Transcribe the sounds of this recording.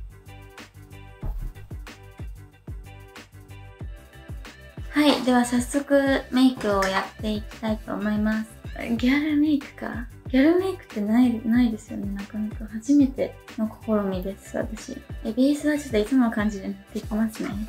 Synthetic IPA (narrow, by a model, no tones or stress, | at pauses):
haid̪e̞βasasːo̞kɯ̟me̞ikɯ̟o̞jat̪ːe̞ikʲi̥t̪ait̪o̞ːmo̞imasɨ̥ɡʲaɾɯ̟me̞ikɯ̟̥ka̰ɡ̥ʲaɾɯ̟me̞ikɯ̟̥t̪ːe̞nainaid̪e̞sɨjo̞̰ne̞nãŋkanakahaʑime̞t̪e̞no̞kʰo̞̥ko̞ɾomʲid̪e̞sɨ̥βa̰t̪aɕḭd̪ebʲeːsɨβat͡ɕit̪ːoit͡sɨmonokãɲ̟d͡ʑid̪enat̪ːe̞ikʲemasɨne̞̰